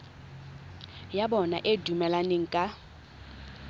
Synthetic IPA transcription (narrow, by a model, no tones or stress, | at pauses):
jabɔnaʔedumɛlaneŋ̩kʼa